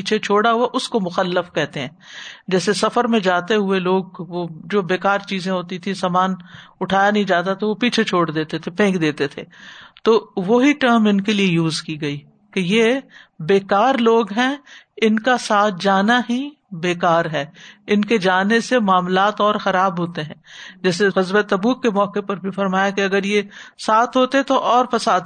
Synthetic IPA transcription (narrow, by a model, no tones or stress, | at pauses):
piːt͡ʃʰet͡ʃʰoːɽaɦuaʔʊskomʊxəlːəfkɛɦt̪eɦɛ̃ːd͡ʒɛːsesɐfəɾmẽd͡ʒaːt̪eɦʊeloːɡ̚ʋod͡ʒoːbeːkaːɾt͡ʃiːzẽɦoːt̪it̪ʰĩsaːmaːnʊʈʰaːjanɐɦĩd͡ʒaːt̪̬at̪oʋopiːt͡ʃʰet͡ʃʰoːɽd̪eːt̪et̪ʰepẽːkd̪eːt̪et̪ʰeːt̪oːʋoɦiʈəɾmɪnkeliejuːzkiɡɐiː | kejebeːkaːɾloːɡɦɛ̃ːɪnkasaːt̪̚ʰd͡ʒaːnaɦĩ | beːkaːɾɦɛːɪnked͡ʒaːnesemaːmlaːt̪ɔːɾxɐɾaːbɦoːt̪eɦɛ̃ːd͡ʒɛːs̬eɣɐzbet̪ɐbuːkːemɔːkepɐɾbʱifɐɾmaːjakeɐɡəɾjesaːt̪ʰɦoːt̪eɦɛ̃t̪oʔɔːɾfɐsaːd̪̚